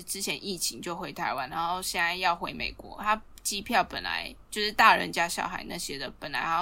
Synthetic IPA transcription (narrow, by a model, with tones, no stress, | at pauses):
ʈ͡ʂɻ̩˦˥t͡ɕʰjɛ˧˦ni˥˩t͡ɕʰi˧˥ŋt͡ɕjo˥˩ʊxwe˧˥ɪt̪ʰa˧˥ɪwa˧˦na˧˦nxo˥˩ʊɕjɛ˥˩na˥˧ɪjɑ˥˩ʊxwe˧˥ɪmḛ˨˩ɪkwɔ̰˧˦t̪ʰa˥ | t͡ɕi˦˥pʰjɑ˥˩ʊpə˨˩nla̰˧˦ɪt͡ɕjo˥˧ʊʂɻ̩˥˧t̪a˥˩ɻə̰˧˦nt͡ɕja˥ɕjɑ̰˥˩ʊxa̰˨˩ɪna̰˥˨ɕjɛ˦d̪ə˨pə˨˩nla˧˦ɪxa˧˥